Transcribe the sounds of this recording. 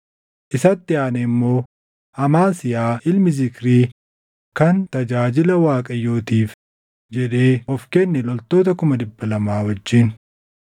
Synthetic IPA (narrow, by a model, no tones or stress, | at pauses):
ʔɪsɐt̪ːɪaːnɛɪmːo̞ː | ɐmaːsɪjaːʔɪlmɪzɪkɾiː | kɐnt̪ɐd͡ʒaːd͡ʒɪlɐwaːkʼɐjːoːt̪iːf | d͡ʒɛᶑe̞ːɔfkɛnːɛlɔlt̪o̞ːt̪ɐkʊmɐd̪ɪbːɐlɐmaːwɐd͡ʒːɪn